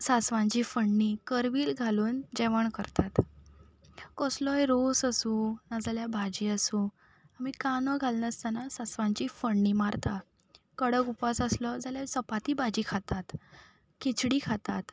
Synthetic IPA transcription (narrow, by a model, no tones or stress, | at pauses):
sasʋãɲt͡ɕiːfəɳːiːkəɾʋiːlɡʱaluːnd͡ʑɛʋəɳkəɾt̪at̪ | kɔslɔjɾosəsũnad͡zaljabʱad͡ʑiːəsũ | amiːkanəɡʱalnəst̪anasasʋãɲt͡ɕiːfəɳːiːmaɾt̪a | kəɽəkupasəslɔd͡zaljasəpat̪iːbʱad͡ʑiːkʰat̪at̪ | kit͡sɽiːkʰat̪at̪